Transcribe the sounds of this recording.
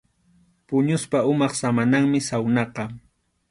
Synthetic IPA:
pʊɲʊspaʊmɑχsamanaŋmɪsawnɑqɑ

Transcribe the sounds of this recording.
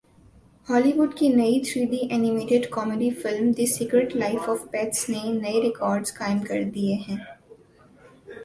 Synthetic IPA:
hɔːliʋʊɖkinɐit̪ʰɾiːɖ̪iʔɛːnɪmeːʈɪɖkɔːmeɖifɪlmd̪isiːkɾeʈlaɪfɔːfpɛːt̪snenɐeɾɪkɔːɾɖzkaːɪ̃mkɐ̰ɾd̪ieɦɛ̃ː

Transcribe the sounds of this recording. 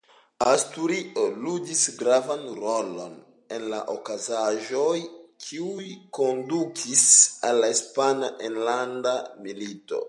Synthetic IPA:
astuɾiʔoludisɡɾavanɾo̞lo̞̰n | e̞nla̰ʔokazaʒo̞jkʰiujjko̞ndukʰisalːaispanaʔenlandamilito̞̰

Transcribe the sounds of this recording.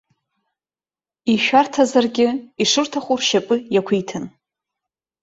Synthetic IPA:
iʃᶣartʰazarɡʲɪiʂɨrtʰaχʷurʃapʼɨjakʷʰijtʰɨn

